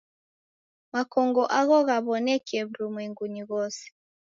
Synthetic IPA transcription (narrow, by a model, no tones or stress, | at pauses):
makɔŋɡɔʔaɣɔɣaβɔnɛkɛβuɾumwɛŋɡuɲiɣɔse̥